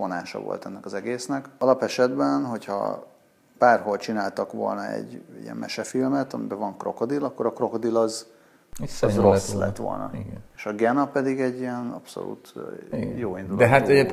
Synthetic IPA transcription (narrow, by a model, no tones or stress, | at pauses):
vo̞naːʃɒ̰vo̰lt̪ɛnːɛkɒzɛɡeːsnɛkɒlɒpɛʃɛd̪bɛnɦo̞chɒ̰ | paːrɦo̞lt͡ʃinaːlt̪ɒkʋo̞lnɒɛ̰ɟːijɛ̰mmʔɛ̰ʃɛfilmɛt̪ɒmibɛvɒŋkro̞̰ko̞d̪ilɒkːo̞ɾɒkro̞kod̪ilɒz | zroslɛ̰t̪ːʋo̰lnɒ̰ɡeːʃɒɡɛnɒpɛd̪iɡɛɟːiɛnɒpso̰lṵːt̪ | joːind̪uloɛɦat̪ee